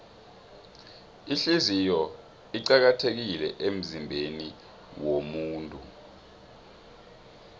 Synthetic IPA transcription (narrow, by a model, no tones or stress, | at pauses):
iɬizijɔ | iǃak̬atʰek̬ilɛʔem̩zimbʱeni | womuːntʼṵ